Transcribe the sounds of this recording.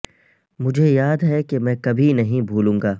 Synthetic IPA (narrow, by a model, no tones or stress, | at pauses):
mʊd͡ʒʱejaːd̪ɦɛkemɛ̃ːkɐbʱinɐɦĩbʱuːlũːŋɡaː